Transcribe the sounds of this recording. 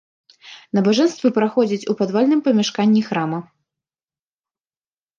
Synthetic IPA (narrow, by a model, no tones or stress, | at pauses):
nɐbaʐɛnst̪vɨpɾaxɔd͡zʲit͡sʲupad̪valʲnɨmpɐmʲaʂkanʲːixɾamɐ